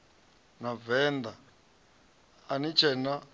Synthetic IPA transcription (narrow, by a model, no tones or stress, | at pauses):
navɛːnd̪a | nit͡ʃʰɛna